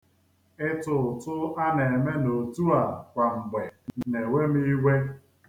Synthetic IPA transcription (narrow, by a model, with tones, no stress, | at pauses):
ɪ˦tʊ˨tʊ˦a˦ne˨e˨me˦no˨tu˦a˨kʷa˨ŋ͡m̩˨ɡ͡be˨ne˨we˦m˦i˦ɡʷe˦